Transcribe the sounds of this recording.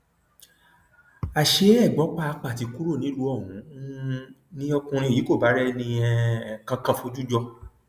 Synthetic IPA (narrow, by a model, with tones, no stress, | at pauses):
a˨ʃe˧ɛ˦˨ɡ͡bɔ˨˦k͡pa˦˧k͡pa˨ti˧˦ku˦ɾo˦˨nĩ˨˦lu˧ɔ˦˨hũ˨˦ | nĩ˦ɔ˧kũ˧ɾ̃ĩ˧˨ji˨˦ko˦˨ba˨˦ɾɛ˦nĩ˧ɛ˧˨kã˧kã˧˨fo˧˦d͡ʒu˦d͡ʒɔ˦˧